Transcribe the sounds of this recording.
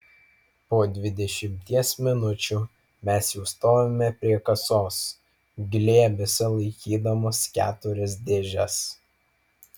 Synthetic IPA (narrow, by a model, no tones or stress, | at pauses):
poːd̪ʲʋʲɪd̪ʲɛʃʲɪmʲt̪ʲiɛsmʲɪnʊt͡ʃʲuː | mʲɛsjɛʊst̪oːʋomʲɛpʲɾʲiɛkɐsoːs | ɡʲlʲeːbʲɛsʲɛlˠɐɪkʲiːd̪ɐmoːskʲæːt̪ʊɾʲɪs̬d̪ʲeːʒʲɛs